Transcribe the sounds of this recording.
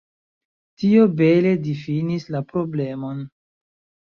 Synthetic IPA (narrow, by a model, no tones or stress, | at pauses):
tio̞be̞le̞difinislapɾo̞ble̞mo̞n